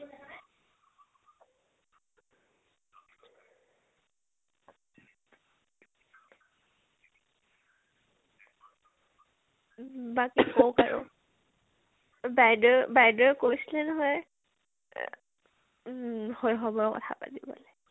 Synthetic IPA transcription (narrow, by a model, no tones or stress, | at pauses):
bakikowkaɹɔ̰ | bajdɔbajdɔjkojsilɛnɔɦɔj | hojɦɔbɔɹkɔ̰tʰa̰pa̰tibɔ̰lɛ